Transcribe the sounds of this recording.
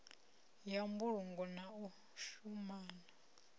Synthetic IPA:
jambuɺuŋɡɔnau | ʃumaːna

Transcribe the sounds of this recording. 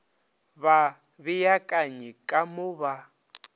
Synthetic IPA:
βa | βɪjakʼaɲikʼamʊβa

